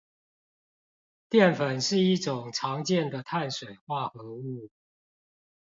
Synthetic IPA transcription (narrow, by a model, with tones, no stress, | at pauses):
t̪jɛ˥˨nfə˨˩nʂɻ̩˥˧i˥˩ʈ͡ʂʊ˨˩ŋʈ͡ʂʰɑ˨˧˦ŋt͡ɕjɛ˥˨nd̪ə˨t̪ʰa˥˨nʂwe˨˩ɪxwa˥˨xɤ˨˦u˥˨